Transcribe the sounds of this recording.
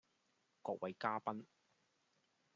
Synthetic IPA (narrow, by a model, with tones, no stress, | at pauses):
kɔː˧k̚wɐ˨jkaː˥pɐ˥n